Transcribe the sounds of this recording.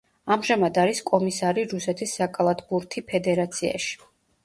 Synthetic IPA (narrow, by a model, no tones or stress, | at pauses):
amʒamad̪aɾiskʼɔmisaɾiɾusɛt̪ʰisːakʼalˠat̪ʰbuɾt̪ʰipʰɛd̪ɛɾat̪sʰia̰ʃi̥